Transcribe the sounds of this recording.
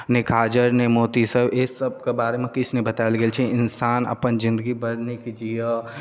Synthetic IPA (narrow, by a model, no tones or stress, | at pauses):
nɪkʰaːd͡ʒəɾnemoːt̪isəbeːsəb̚kebaːɾemẽkɪsnẽbət̪aːɪlɡelt͡ʃʰiɪnsaːnɐ̰pənzɪ̃nd̪əɡibəɾnikid͡ʒijə